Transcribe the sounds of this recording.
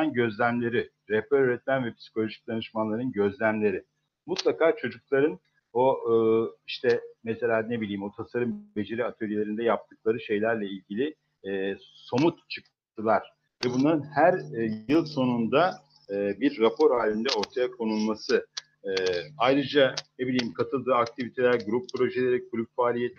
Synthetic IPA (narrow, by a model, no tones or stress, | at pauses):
anɟø̞zlʲæmlʲe̞ɾɪ | ɾɛpæɾøɾɛt̪̚mænvɛpʰi̥si̥kʰo̞lʲo̞ʒic̚d̪anɯʃmanlˠaɾɯnɟø̞zlʲæmlʲe̞ɾɪ | mut̪lˠakaːt͡ʃʰo̞d͡ʒuklˠaɾɯn | o | iʃt̪ʰɛmɛse̞lʲaːnebilʲiːmo̞t̪ʰasaɾɯmbe̞d͡ʒe̞ɾiat̪ʰølʲielʲe̞ɾind̪ɛjap̚t̪ʰɯk̚lˠaɾɯʃe̞jlʲæɾlʲɛilʲɟilʲɪː | so̞mut̪t͡ʃʰɯk̚ | t̪ʰɯlˠaɾ̥ | vɛbunlˠaɾɯnhæɾjɯlˠso̞nund̪aː | biɾːapʰo̞ɾaːlʲind̪ɛo̞ɾt̪ʰajakʰo̞nulˠmasɯ | ajɾɯd͡ʒanebilʲijimkʰat̪ʰɯlˠd̪ɯːak̚t̪ʰivit̪ʰe̞lʲæɾɡuɾupːɾo̞ʒelʲeɾikʰuɾypfaːlʲijet̪ʰ